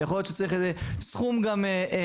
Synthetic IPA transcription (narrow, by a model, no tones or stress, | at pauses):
jaχoljott͡ʃet͡saʁiχezesχumɡameʔe